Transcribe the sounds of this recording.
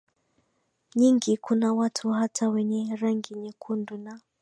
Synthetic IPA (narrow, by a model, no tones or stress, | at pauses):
ɲiŋɡikunawatʰuhatʰawɛɲɛɾaŋɡiɲɛkʰunduna